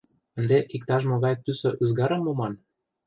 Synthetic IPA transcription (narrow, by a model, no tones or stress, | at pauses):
ə̆nd̪eʔikt̪ɑʃ̬moɣɑjt̪ysɤ̆ʔyzɡɑɾɤ̆mːomɑn